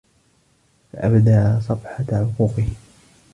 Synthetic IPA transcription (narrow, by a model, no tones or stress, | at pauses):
fa̰ʔabd̪aːsˤɑfħɑʕʊquːqɨh